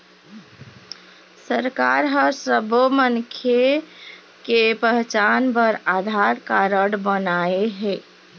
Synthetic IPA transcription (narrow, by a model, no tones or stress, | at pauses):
səɾkaɾɦəsəbomənkʰe | kepəɦt͡ʃanbəɾad̪ʱaɾkaɾəɽbənaeɦɛ